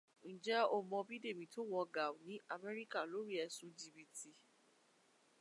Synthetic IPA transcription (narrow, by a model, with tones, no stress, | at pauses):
n̩˨d͡ʒɛ˦o˧mɔ̃˧bi˦de˦˨mĩ˧˨to˦wɔ˧ɡa˨nĩ˨˦ʔa˦˧mɛ˦ɾi˦ka˦˨lo˨˦ɾi˦ɛ˧sũ˨˧d͡ʒi˧bi˧ti˧